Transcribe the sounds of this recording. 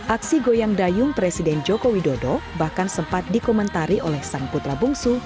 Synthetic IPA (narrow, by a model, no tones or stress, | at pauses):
ʔaksiɡojaŋdajʊŋpɾesidɛnd͡ʒɔkowidodɔbahkansəmpat̪̚dikɔmənt̪aɾiʔolɛhsaŋput̪ɾabuŋsu